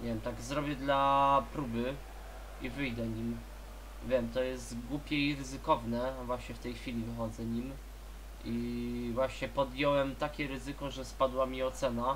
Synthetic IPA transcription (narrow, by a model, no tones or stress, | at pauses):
ɲɛvʲjɛmt̪aɡzɾɔbʲjɛd̪lapɾubɘ | ivɘjd̪ɛɲim | vʲjɛmt̪ɔjɛst̪ɡwupʲjɛiɾɘzɘkɔvnɛvwaɕɲɛft̪ɛjxfʲilʲivɘxɔd̪zɛɲim | ʔivwaɕɲɛpɔd̪jɔwɛmt̪akʲɛɾɘzɘkɔʐɛspad̪wamʲiɔt̪sɛna